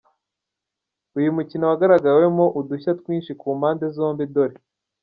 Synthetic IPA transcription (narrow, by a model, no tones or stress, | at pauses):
ujumucinowaɡaɾaɡawe̞moʔuduçatkwiːnʃikuːmaːndezo̞ːmbido̞ɾe